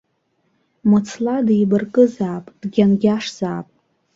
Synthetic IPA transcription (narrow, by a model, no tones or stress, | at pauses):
mɨt͡sʰladejbɨrkʼɨzaːpʼd̥ɡʲanɡʲaʂz̥aːpʼ